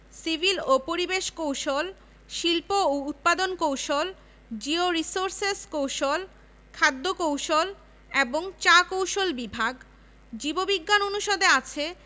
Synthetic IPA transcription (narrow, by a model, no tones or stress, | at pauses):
sibʱilopoɾibeʃkowʃol | ʃilpoout̪̚pad̪onkowʃol | d͡ʑioɾisoɾseskowʃol | kʰad̪ːokowʃol | eboŋt͡ɕakowʃolbibʱaɡ | d͡ʑibobiɡːanonuʃod̪eat͡ɕʰe